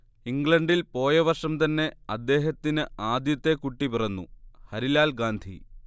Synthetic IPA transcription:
iŋɡɭɐɳɖilpo̞ːjɐʋɐrʂɐmt̪ɐnːe̞ɐd̪ːe̞ːɦɐt̪ːinɨaːd̪jɐt̪ːe̞kuʈːipirɐnːṵhɐɾilaːlɡaːnd̪ʱḭ

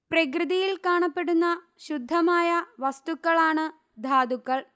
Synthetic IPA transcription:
prɐkrɨðijilkaːɳɐpːe̞ɽunːɐ | ɕud̪ʱːɐmaːjɐʋɐst̪ukːɐɭaːɳɨ | d̪ʱaːd̪ukːɐɭ

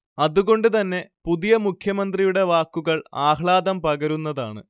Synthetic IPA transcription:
ɐðuɣo̞ɳɖɨt̪ɐnːe̞puðijɐmukʰjɐmɐnd̪rijuɽe̞ʋaːkːuɣɐɭaːhɭaːd̪ɐmpɐɣɐɾunːɐða̰ːɳɨ̰

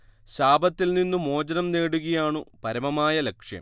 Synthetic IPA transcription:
ɕaːbʱɐt̪ːilninːumo̞ːd͡ʑɐnɐmne̞ːɽuɣɐjaːɳɨpɐɾɐmɐmaːjɐlekʂjɐ̰m

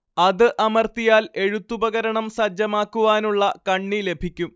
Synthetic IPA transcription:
ɐðɨʔɐmɐrt̪ijaːle̞ɻut̪ːubɐɣɐɾɐɳɐmsɐd͡ʑːɐmaːkːuʋaːnuɭːɐkɐɳːile̞bʱikʲːum

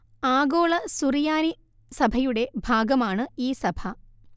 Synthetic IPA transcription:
aːɡoːɭɐsurijaːni | sɐbʱɐjuɽe̞bʱaːɡɐmaːɳɨiːsɐbʱɐ

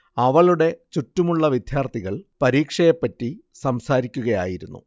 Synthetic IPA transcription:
ɐʋɐɭuɽe̞t͡ɕutːumuɭːɐʋid̪ʱjaːrt̪ʰiɣɐɭpɐɾiːkʂɐjepːɐtːi | sɐmsaːɾikʲːuɣɐja̰ːjiɾunːṵ

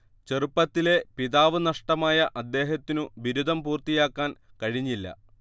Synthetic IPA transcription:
t͡ɕe̞rupːɐt̪ːile̞piðaːʋɨnɐʂʈɐmaːjɐʔɐd̪ːe̞ːɦɐt̪ːinuʋiɾud̪ʱɐmpuːrt̪ijaːkːaːn | kɐɻiɲːilːɐ̰

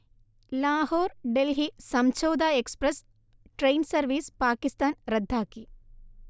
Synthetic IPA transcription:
laːhoːɾɖelɦisɐmt͡ʃoːd̪aːekspɾɐs | ʈɾejnsɐɾʋiːspaːkist̪aːnɾɐd̪ʱːaːki

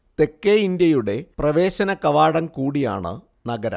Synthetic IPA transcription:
t̪e̞kːeind̪jɐjuɽe̞prɐʋe̞ːɕɐnɐkɐʋaːɽɐmkuːɽija̰ːɳɨ̰ | nɐɡɐɾɐ̰m

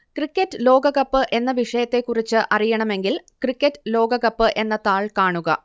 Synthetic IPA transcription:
krikʲːɐtːɨlo̞ːɡɐɣɐpːɨʔe̞nːɐʋiʂɐjɐt̪ːe̞kːurit͡ɕːɨʔɐrijɐɳɐme̞ŋɡilkrikːɐtːɨlo̞ːɡɐɣɐpːɨʔe̞nːɐt̪aːɭkaːɳuɣɐ̰

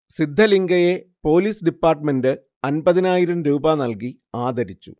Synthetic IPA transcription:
sid̪ʱːɐliŋɡɐje̞po̞ːliːsɖipːaːrʈme̞ndɨ | ɐnbɐðinaːjiɾɐmɾuːbaːnɐlki | aːd̪ʱɐɾit͡ɕːṵ

